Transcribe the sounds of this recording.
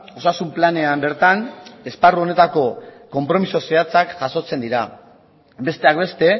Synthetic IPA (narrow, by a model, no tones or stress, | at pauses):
o̞sasumplane̞ambe̞ɾt̪ane̞sparuo̞ne̞t̪ako̞ko̞mpɾo̞miso̞seat͡sakʝaso̞t͡se̞nd̪iɾa | be̞st̪e̞akbe̞st̪e̞